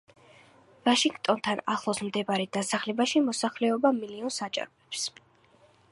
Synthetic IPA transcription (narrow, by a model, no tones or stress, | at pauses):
vaʃiŋɡt̪ʼɔnt̪ʰana̰χlˠɔsmd̪ɛbaɾɛd̪asaχlɛbaʃimɔsaχlɛɔbamiliɔnsat͡ʃʼa̰ɾɔɛps